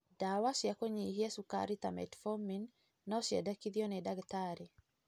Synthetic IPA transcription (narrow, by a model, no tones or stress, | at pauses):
dawasjakoɲihjɛsuka̰ɾit̪a̰mɛ̰tfɔminː | ɔsjɛ̰dakid̪jɔnɛdaɡt̪aɾi